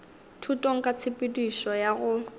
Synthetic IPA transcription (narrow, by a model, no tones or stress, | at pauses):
tʰutʼoŋ̩kʼat͡sʰɪpʼɪdwiʃɔjaɣʊ